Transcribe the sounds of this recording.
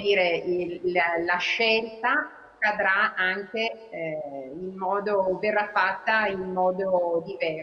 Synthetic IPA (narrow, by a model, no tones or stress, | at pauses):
d̪iːɾe | laʃːɛlt̪a | kad̪ɾaaŋk̟e | inmɔːd̪overːafat̪ːainmɔːd̪od̪ivɛ